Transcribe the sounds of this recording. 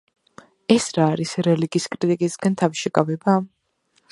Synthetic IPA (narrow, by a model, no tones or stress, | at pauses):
ɛsɾaːɾisɾɛliɡiːskʼɾit̪ʼikʼisɡant̪ʰaviʃɛkʼavɛba